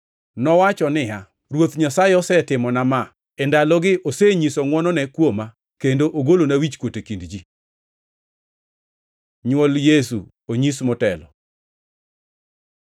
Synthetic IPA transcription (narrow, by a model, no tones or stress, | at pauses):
nɔwat͡ʃɔnɪa | ɾwot̪ɲasaeɔsɛtɪmɔnama | ɛndalɔɡɪʔoseɲisoŋwɔnɔnɛkwoma | kendoʔoɡolonawit͡ʃkwotekindd͡ʒi | ɲwoljes̬ṵ | oɲismɔtɛlɔ̰